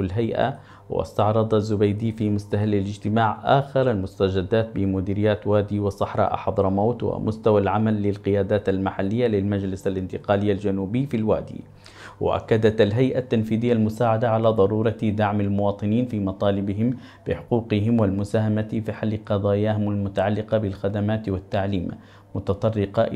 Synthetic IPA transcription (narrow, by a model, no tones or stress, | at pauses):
lɦajʔa̰ | wɪ̰st̪ɑʕɾˤɑd̪ˤɑzːʊbajd̪iːfimʊst̪ahalːalɪd͡ʒt̪ɪmaːʕʔaːxɪɾˤalmʊst̪ad͡ʒad̪ːaːt̪̚bɪmʊd̪iːɾɪjːaːt̪waːd̪iːwɪsˤɑħɾˤɑ̰ːʔɑ̰ħɑd̪ˤɾˤɑmawt̪wa̰mʔʊst̪awalʕamalːɪlqɪjaːd̪aːt̪almaħalːɪjːalɪlmad͡ʒlɪsalʔɪnt̪ɪqaːlɪjːald͡ʒanuːbɪːfilwa̰ːd̪ḭː | wʔa̰ʔa̰kːad̪at̪alɦajʔat̪ːanfiːðɪjːalmʊsaːʕad̪aʕalaːd̪ˤɑɾˤuːɾˤɑd̪aʕmalmʊwɑːt̪ˤɨniːnfiːmɑt̪ˤɑːlɪbɪɦɪm | b̥ɪħʊquːqɪɦɪmwalmʊsaːhamafiħalːɪqɑd̪ˤɑːjaːɦɪmalmʊt̪aʕalːɪqɑbɪlxad̪amaːt̪wat̪ːaʕliːm | mʊt̪ɑt̪ˤɑrˤːɪqɑʔ